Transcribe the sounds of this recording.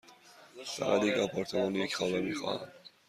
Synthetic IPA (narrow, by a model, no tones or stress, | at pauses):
fæ̰ɣæ̰d̪jecɒpʰɒɾt̪ʰemɒːnjecxɒːvæmiːxɒ̰ːhæ̰m